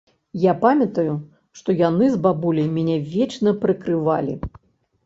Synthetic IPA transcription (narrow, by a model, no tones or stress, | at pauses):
japamʲɐt̪ɐju | ʂt̪ɔjanɨzbabulʲɐjmʲɛnʲɛvʲɛt͡ʃnɐpɾɨkɾɨva̰lʲḭ